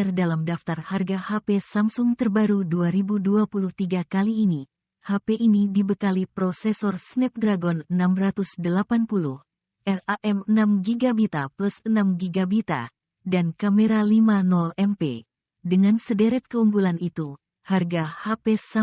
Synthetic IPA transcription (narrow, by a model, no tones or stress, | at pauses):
rdalamdaft̪arharɡahapesamsʊŋt̪ərbaɾuduaɾibuduapuluht̪iɡakaliːni | hapeʔinidibəkalipɾɔsɛsɔrsnɛp̚dɾaɡɔnənamrat̪usdəlapanpuluh | ʔɛraʔɛmənamɡiɡabit̪aplusənamɡiɡabit̪a̰ | dankameɾalimanɔlɛmpḛ | dəŋansədɛɾɛt̪̚kəumbulanit̪u | harɡahapesa